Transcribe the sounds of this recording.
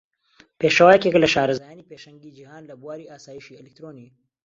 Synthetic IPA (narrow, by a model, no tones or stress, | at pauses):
peːʃəwaːjɛkeklɐʃaːɾɐzajaːniːpeːʃɐŋɡiːd͡ʒihaːnlɐbuwaːɾiːʔaːsaːjiːʃiːɛlɪk̚t̪ɾoni